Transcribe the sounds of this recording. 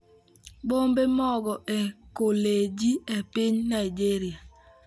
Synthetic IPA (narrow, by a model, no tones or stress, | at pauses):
ɓombemɔɡɔʔekoled͡ʒiepɪɲnaɪd͡ʒeɾia